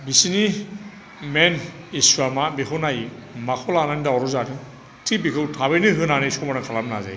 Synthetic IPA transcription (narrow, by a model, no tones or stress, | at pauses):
bisini | men | isuamabekʰɯnajmakʰɔlanandaɔɾɔzatʰɯn | tʰibikʰɯwtʰaβenɯɦɯnanɯskʰɔmaɾaŋkʰalabna̰za̰j